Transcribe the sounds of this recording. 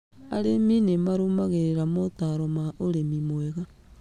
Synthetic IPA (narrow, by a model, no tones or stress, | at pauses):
a̰ɾeminemaɾumaɣeɾeɾamotaɾomaʔoɾemimoeɣa